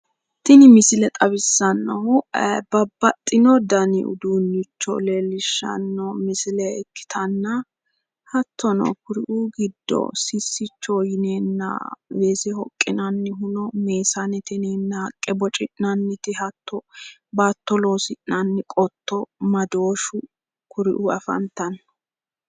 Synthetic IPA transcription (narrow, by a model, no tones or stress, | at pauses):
t̪ɪnɪmɪsɪlɛt̪ʼɐβɪsːɐnːɐwbɐbːɐt̪ʼːɪnɔd̪ɐnɪ̰ʊ̰d̪uːnːɪt͡ʃːɔ̰leːlːɪʃːɐ̰nːɔmɪsɪlɛɛkːɪ̥t̪ʰɐnːɐ | hɐt̪ʰːɔnɔ̰kʊɾɪʔuːɡɪd̪ːɔ̰sɪsːɪt͡ʃːɔjɪneːnːɐ̰weːsɛhɔkʼːɪnɐnːɪɦʊnɔme̞ːsɐnɛt̪ɪneːnːɐhɐkʼːɛbɔt͡ʃʼɪʔnɐnːɪt̪ɪhɐt̪ʰːɔbaːt̪ːɔlo̞ːsɪʔnɐnːɪkʼɔt̪ːɔmɐd̪o̞ːʃʊ | kʊɾɪʔuɐ̰fɐ̰nt̪ːɐn